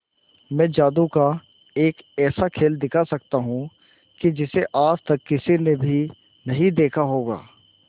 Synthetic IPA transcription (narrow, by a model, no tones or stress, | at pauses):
mɛ̃ːd͡ʒaːd̪uka | eːkɛːsakʰeːld̪ɪkʰasɐkt̪aɦũ | kid͡ʒɪseʔaːd͡ʒt̪ɐkːɪsinebʱi | nɐɦĩd̪eːkʰaɦoːɡa̰ː